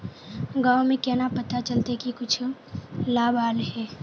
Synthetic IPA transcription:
ɡaːwmẽkɛːnapɐt̪at͡ʃəlt̪ekikʊt͡ʃʰ | laːbʱaːlɦɛː

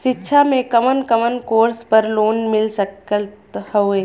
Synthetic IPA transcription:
ʃɪtːʃʰamẽkɐmənkəmənkoːɾspəɾloːnmɪlsəkət̪hoeː

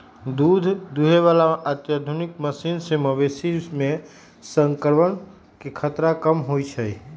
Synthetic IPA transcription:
d̪ud̪ʱd̪uɦeʋalaat̪jad̪ʱunikməsinseməʋesimẽ | səŋkəɾʋən | kekʰət̪ɾakəmɦoit͡ʃʰəi

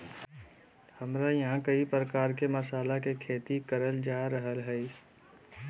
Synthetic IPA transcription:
həmɾajəɦãkəipɾəkaːɾkeməsaːlakekʰeːt̪ikəɾəld͡ʒaɾəɦəlɦəj

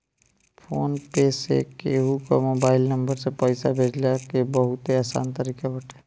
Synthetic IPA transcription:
pʰoːnpeːsḛkeɦukomoːbaːɪlnəmbəɾsepəɪsabʱeːd͡ʒljakebəɦʊt̪eaːsa̰ːnt̪əɾiːkabʱəʈʰe̥ː

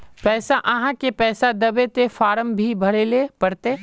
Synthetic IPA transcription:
pɛːsaʔɐɦãkepɛːsad̪ɐbet̪efaːɾəmbʱibʱɐɽelepɐɽt̪e

